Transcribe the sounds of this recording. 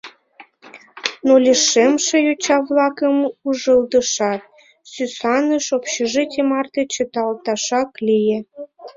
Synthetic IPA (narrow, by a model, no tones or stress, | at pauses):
nolʲeʃemʃejot͡ɕɑβlɑkəmuʒəld̪əʃɑt̪̚ | sysɑnəʃopɕeʒɨt̪ʲimɑrt̪et͡ɕə̆t̪ɑlt̪ɑʃɑklije